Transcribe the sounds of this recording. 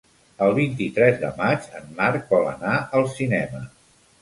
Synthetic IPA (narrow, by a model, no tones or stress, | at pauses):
əlˠβint̪it̪ɾɛzðə̰mad͡ʒənːaɾk̚bɔlə̰naəlˠsinɛmə